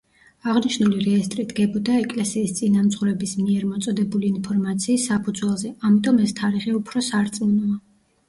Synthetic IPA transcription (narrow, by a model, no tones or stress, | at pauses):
aʁniʃnuliɾɛːst̪ʼɾid̪ɡɛbɔd̪aɛkʼlɛsiːst̪sʼinamt̪sʼχuɾɛbismiɛɾmɔt̪sʼɔd̪ɛbuliːnpʰɔɾmat̪sʰiːsːapʰud̪zwɛlˠzɛamit̪ʼɔmɛst̪ʰaɾiʁɛupʰɾɔsaɾt̪sʼinɔa